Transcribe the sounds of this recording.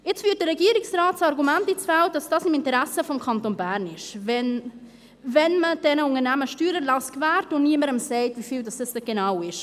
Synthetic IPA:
ɪt͡svyːt̚d̥əɾːɛɡiəɾɪksraːtsɑɾɡumæntit͡sfɛw̚d̥ɑsd̥ɑsɪmɪntəɾæsəfɔmkʰɑntonbæːɾnɪʃvɛn | vɛnməd̥ɛnəʊŋəɾnæməʃtyːɾəlɑskvæːɾtʊnniːəməɾəmsɛɪtvifiːldɑsd̥ɑsd̥ɛɡ̥enawɪʃ

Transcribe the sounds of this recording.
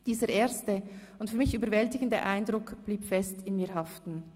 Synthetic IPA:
d̥iːzəʁʔeːɐstə | ʊntfyːɐmɪçyːbəɐvɛltɪɡəndə̰ʔaɪndʁʊkb̥liːpfɛstɪnmiːɦɑftn̩

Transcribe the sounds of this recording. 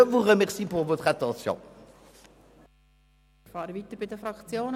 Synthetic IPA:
əvuʁəmɛʁsipuʁvot̪ʁat̪ɑ̃sjɔ̰̃ | fɑːɾəviːt̪əɾbɪd̪əfɾɑkt͡sjoːn

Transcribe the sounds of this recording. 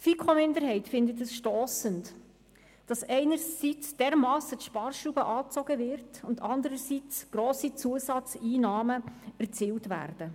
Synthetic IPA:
fikʰomɪndəɾɦɛɪtfɪndətɛsʃtoːsənt | d̥ɑsɛɪnəɾsit͡sd̥ɛːɾmɑːsət̪ʃpɑːrʃubəʔɑːt͡sɔɡəvɪɾtʊntɑndəɾəsit͡sɡ̥roːsit͡suəsɑt͡siːnɑːməæɾt͡siːltvæ̰ːrd̥ə

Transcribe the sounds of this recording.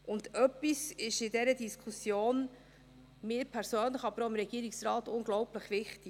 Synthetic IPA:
ʔʊndœpːisɪʃɪdɛɾədiskʰusjoːn | mɪːɾpʰɛɾsøːnləχɑb̥əɾoɪmɾɛɡ̥iːɾɪksrɑːtʊnɡlɔwpləχʋɪχtɪ

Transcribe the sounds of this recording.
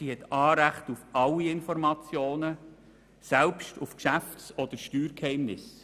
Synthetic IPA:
ihɛt̪ʰɑːɾæχtufʔɑlːiɪnfɔɾmɑt͡sjoːnə | sɛlpʃtufkʃæftsɔd̥̪əɾʃtyːɾkhɛɪmnɪs

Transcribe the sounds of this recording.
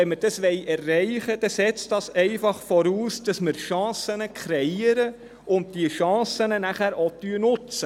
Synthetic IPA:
ɛnməɾd̥ɑsʋɛɪʔɛrːɛɪχəd̥ɛsɛt͡stɑsɛɪfɑχfɔɾuːsd̥ɑsmɪɾʃɑ̃ːsənəkʰɾɛiəɾə | ʊnd̚diəʃɑ̃ːsənənæχæːɾotyːənʊt͡sə

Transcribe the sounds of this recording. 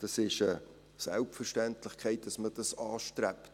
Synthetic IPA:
d̥ɑsɪʃə | sɛ̰lpfərʃtæntlɪχkʰɛɪt̚d̥ɑsmədɑsɑːʃtrɛpt

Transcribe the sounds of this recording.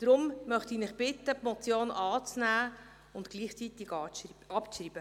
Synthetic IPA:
d̥ɾʊmmœχt̪inɪχb̥ɪt̪ːəpmɔt͡sjoːnʔɑːt͡snæː | ʊntɡ̥liːχt͡sit̪ɪɡɑɑpt͡sriːb̥ə

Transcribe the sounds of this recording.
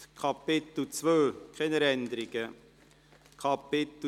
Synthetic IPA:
kʰɑpɪt̪ut͡svøːkʰχɛnəɾɛnd̪əɾɪɡə | kʰɑpɪt̪

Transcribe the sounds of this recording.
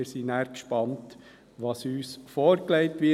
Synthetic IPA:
ɪɾsinæːɾkʃpɑnt | ʋɑːsyːsfɔːɾklɛɪtʋɪ

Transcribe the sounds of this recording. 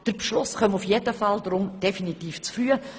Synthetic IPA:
d̥əɾpʃlʊsχœmufjedəfɑldɾʊmd̥efinitiːft͡sfɾyə

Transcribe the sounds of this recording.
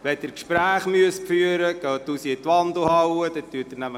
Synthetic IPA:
ʋɛdəɾkʃpɾæːχmyəsfyːəɾəɡ̥œːtːusiətʋɑndl̩hɑwəd̪ɛt̪ːyːətəɾnæmə

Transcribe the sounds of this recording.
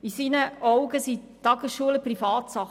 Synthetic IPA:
isinəʔɔwɡəsi | tːɑɡəsʃuələprifɑːtsɑχ

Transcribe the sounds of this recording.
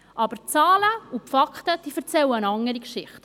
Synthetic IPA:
ʔɑb̥əɾt͡sɑːləupfɑkχtəd̥ifəɾt͡sɛwənɑŋəɾikʃɪχt

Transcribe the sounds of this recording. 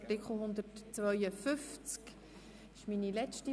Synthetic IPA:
tɪkʰχl̩ˠhʊnd̪ətt͡svœʏəfʏft͡sk | ɪʃminilɛt͡ʃti

